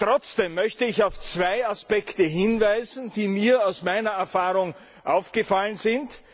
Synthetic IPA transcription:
tʁ̥ɔt͡sd̥eːmːœçtəɪçaʊft͡sv̥aɪaspɛktəɦɪnvaɪzn̩d̥iːmiːɐaʊsmaɪnɐɛɐfaːʁʊŋ | ʔaʊfɡ̥əfalənzɪnt

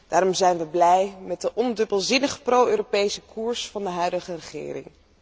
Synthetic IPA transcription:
d̥aːɾɔmzɛjnʋəblɛjmɛt̚dəʔɔndɵbəlˠzɪnəχə̥prowøːropejsəkuːɹsfɑndəɦœɥdəχərəχɪ̰ːɾɪ̰ŋ

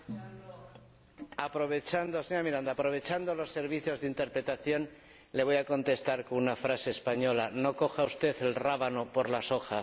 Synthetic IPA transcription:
apɾo̞β̞e̞t͡ʃand̪o̞seɲoamiɾand̪aːpɾo̞β̞e̞t͡ʃand̪o̞lo̞sːe̞ɾβ̞iθjo̞zðint̪e̞ɾpɾe̞t̪aθjo̞n | le̞β̞o̞jako̞nt̪e̞st̪aɾkounafɾase̞ːspaɲo̞lano̞ko̞xaust̪e̞θe̞lraβano̞po̞ɾlaso̞xa

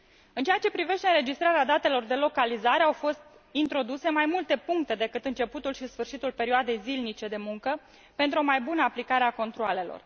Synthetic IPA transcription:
ɨnt͡ʃejat͡ʃe̞pɾive̞ʃt̪e̞ɨnɾe̞d͡ʒist̪ɾaɾead̪at̪e̞lo̞rd̪e̞lo̞kalizaɾe̞awfo̞st̪ | int̪ɾo̞d̪use̞majmult̪e̞puŋk̚t̪e̞d̪e̞kɨt̪ɨnt͡ʃe̞put̪ulʃisfɨrʃit̪ulpe̞ɾioad̪e̞jzilnit͡ʃe̞d̪e̞muŋkə | pe̞nt̪ɾuo̞majbunəaplikaɾe̞ako̞nt̪ɾuoale̞lo̞̰r

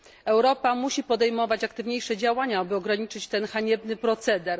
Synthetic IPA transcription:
ɛwɾɔpamuɕipɔd̪ɛjmɔvat͡ɕakt̪ɘvɲejʂɛd͡ʑawaɲaabɘɔɡɾaɲit͡ʂɘt͡ɕt̪ɛnxaɲɛbnɘpɾɔt̪sɛd̪ɛɾ

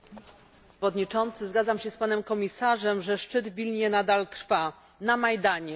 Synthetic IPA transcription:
ɔd̪ɲit͡ʂɔnt̪sɘzɡad̪zamɕɛspanɛmkɔmʲisaʐɛmʐɛʂt͡ʂɘd̪vʲilɲɛnad̪alt̪ɾfa | namajd̪aɲɛ

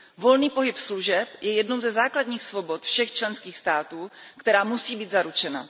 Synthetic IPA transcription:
volniːpo̞ɦɪpsluʒɛpjɛjɛdnowzɛzaːkladɲiːxsvo̞bot̪fʃɛxt͡ʃlɛnskiːxst̪aːt̪uː | kt̪ɛɾaːmusiːbiːd̪zaɾut͡ʃɛna̰

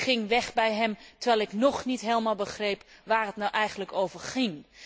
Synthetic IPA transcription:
χɪŋʋɛχbɛjɦəmtərʋɛjlˠɪknɔχnitɦeːlˠmalˠbəχrejpʋaːrɦətnawʔɛjχənləkowvərχɪŋ

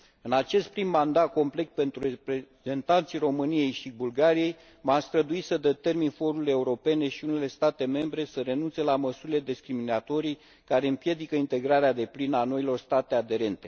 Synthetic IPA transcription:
ɨnat͡ʃe̞st̪̚pɾimːand̪at̪̚ko̞mple̞kt̪̚pe̞nt̪ɾurepɾeze̞nt̪ant̪sijro̞mɨnije̞jʃibulɡaɾije̞j | mast̪ɾəd̪uisəd̪e̞t̪e̞rminfo̞ɾule̞uɾo̞pe̞ne̞ʃiune̞le̞st̪at̪e̞me̞mbɾe̞səɾe̞nunt̪se̞laməsuɾile̞d̪eskɾiminat̪o̞ɾij | kaɾe̞ɨmpje̞d̪ikəint̪e̞ɡɾaɾead̪e̞plinano̞ilo̞rst̪at̪e̞ad̪e̞ɾe̞nt̪e̞

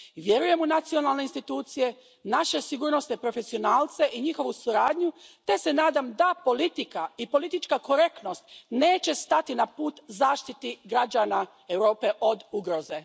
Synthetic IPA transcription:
ʋjeɾuje̞munat̪sio̞nalne̞inst̪it̪uːt̪sije̞ | naʃe̞siɡuːɾnosepɾo̞fe̞sio̞naːlt̪se̞ʔiɲixo̞ʋusuɾaːd̪ɲut̪e̞se̞naːd̪amd̪apo̞lit̪ikaipo̞lit̪it͡ʃkako̞ɾe̞kt̪no̞st̪ne̞ːt͡ɕe̞st̪at̪inapuːt̪zaːʃt̪it̪iɡɾad͡ʒana | ewɾo̞ːpe̞ʔo̞d̪uɡɾo̞ze

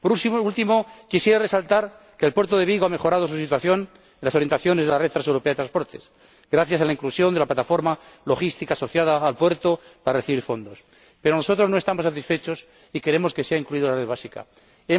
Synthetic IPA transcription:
poult̪imokisje̞ɾere̞salt̪aɾ | keːlpwe̞ɾt̪oðe̞β̞iɣoame̞xo̞ɾað̞o̞s̬usit̪waθjo̞n | enlasoɾjent̪aθjo̞nezðelaret̪ɾasewɾo̞peaðt̪ɾanspo̞ɾt̪e̞̰s | ɡɾaθjasalaiŋklusjo̞nd̪elaplat̪afo̞ɾmalo̞xist̪ikaːso̞θjaðaːlpwe̞ɾt̪opaɾareθiβiɾfo̞nd̪o̞s | pe̞ɾono̞so̞t̪ɾo̞znoest̪amosat̪isfe̞t͡ʃo̞s | ike̞ɾe̞mo̞ske̞seaiŋkluiðolareðβasika̰

